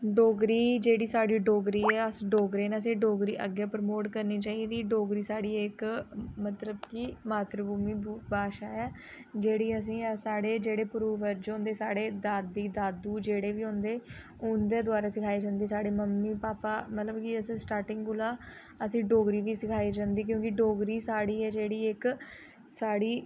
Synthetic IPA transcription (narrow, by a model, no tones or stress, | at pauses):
ɖoːɡɾiːd͡ʒeːɽiːsaːɽiːɖoːɡɾiːɛːəsɖoːɡɾeːnẽəs̬ĩːɖoːɡɾiːʔə̰ɡjaːpɾmoːʈkəɾniːt͡ʃaːiːd̪iːɖoːɡɾiːsaːɽiːɪkmət̪ləbkiːmaːt̪ɾəbuːmiːbbaːʃaːɛː | d͡ʒeːɽiːəs̬ĩːsaːɽeːd͡ʒeːɽeːpʊɾuːʋəɾd͡ʒõːnd̪eːsaːɽeːd̪aːd̪iːd̪aːd̪uːd͡ʒeːɽeːʋiːɦõnd̪eː | ʊnd̪eːd̪ʊaːɾaːsɪkʰaːid͡ʒãːnd̪iːsaːɽeːməmːiːpaːpaːmət̪ləbkɪəsĩːsʈaːɾʈɪ̃ŋɡɡʊlaː | əsĩːɖoːɡɾiːʋiːsɪkʰaːiːd͡ʒãːnd̪iːk̬jõːkɪɖoːɡɾiːsaːɽiːɛːd͡ʒeːɽiːɪk | saːɽiː